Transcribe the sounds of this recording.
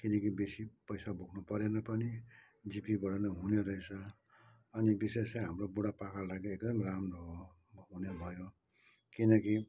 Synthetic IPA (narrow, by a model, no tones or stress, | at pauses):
kinʌkibesipʌjsabʱoɡʰnupʌɾenʌpʌni | d͡zipibʌɽʌnʌɦuneɾʌet͡sʰʌ | ʌnibisesaɦamrobuɽapakʰalaɡeek̚d̪ʌmramrʌɦo | ɦunebʱʌjo | kinʌki